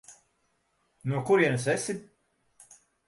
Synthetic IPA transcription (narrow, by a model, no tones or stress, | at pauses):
nuɔkuɾiɛnsɛsʲi